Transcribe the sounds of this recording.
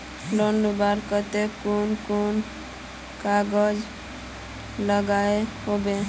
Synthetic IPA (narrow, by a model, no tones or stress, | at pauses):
lonlubaɾkət̪ekunkon | kaɡəd͡ʒ | ləɡaeɦobe